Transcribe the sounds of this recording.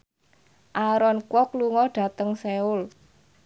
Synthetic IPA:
ʔaɾɔnkwɔkluŋɔɖ̥ä̤t̪əŋseʊl

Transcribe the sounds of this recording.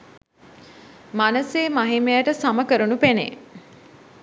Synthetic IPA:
manəseːmaɦimejəʈəsaməkəɾunupenḛ

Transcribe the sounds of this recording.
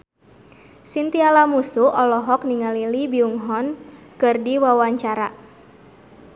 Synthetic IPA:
sint̪ialamusuʔɔlɔɦɔk̚niŋalilibiuŋɦɔnkɨrdiwawaɲt͡ʃaɾa

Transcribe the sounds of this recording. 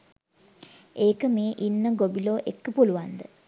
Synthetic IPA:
eːkəmeːʔinːəɡobiloːʔekːəpuluʋand̪ə

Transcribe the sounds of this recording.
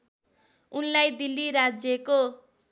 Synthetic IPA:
unlajd̪ilːiɾad͡zjʌko

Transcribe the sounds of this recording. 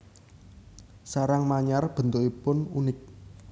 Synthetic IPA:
saɾaŋmaɲarb̥ə̤nt̪uʔipʊnṵnɪk̚

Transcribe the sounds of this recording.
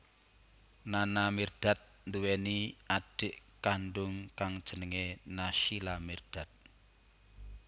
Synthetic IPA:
nanamird̥a̤t̪̚ | nd̪uweniaɖ̥ɪʔkanɖʊŋkaŋd̥ʒ̥ə̤nəŋenaʃilamird̥a̤t̪̚

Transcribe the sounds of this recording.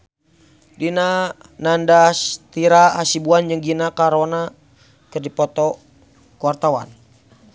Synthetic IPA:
dina | nandast̪iɾaɦasibuand͡ʒəŋɡinakaɾona | kɨrdipɔt̪ɔ | kuwart̪awa̰n

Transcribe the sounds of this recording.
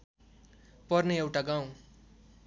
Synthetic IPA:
pʌrneewʈaɡaw̃

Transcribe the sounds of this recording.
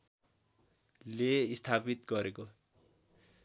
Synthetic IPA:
leist̪ʰapit̪ɡʌɾeko

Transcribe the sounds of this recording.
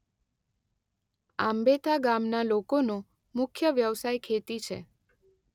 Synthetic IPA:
ambet̪ʰaɡamnalokono | mʊkʰjəʋjəʋsajkʰet̪it͡ʃʰḛ

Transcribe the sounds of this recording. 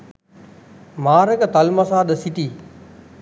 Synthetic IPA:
maːɾəkət̪ɐlmɐsaːd̪əsit̪iː

